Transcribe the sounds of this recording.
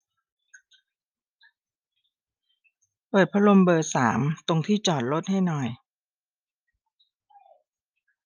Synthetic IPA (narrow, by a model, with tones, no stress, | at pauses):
pɤː˨˩t̪̚pʰa˧lo˧mbɤː˧saː˩˦mt̪o˧ŋt̪ʰiː˥˩t͡ɕɔː˨˩t̪̚lo˦˥t̪̚ha˥˩jnɔ˨˩j